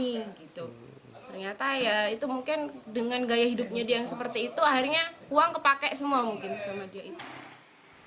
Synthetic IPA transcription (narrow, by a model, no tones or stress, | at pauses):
iɡit̪u | t̪ərɲat̪ajait̪umuŋkɪndəŋanɡajaɦidup̚ɲadiajaŋsəpərt̪iːt̪uahirɲauaŋkəpakɛʔsəmuamuŋkɪnsamadiait̪u̥